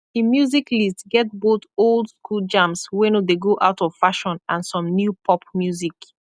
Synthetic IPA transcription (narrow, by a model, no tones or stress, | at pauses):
imjuziklistɡɛt̚botolˠdskʰuld͡ʒãmswɛ̃nodeɡoʔaʊtʰɔv̥faʃɔ̃nãnsɔ̃mnjupʰɔp̚mjuzik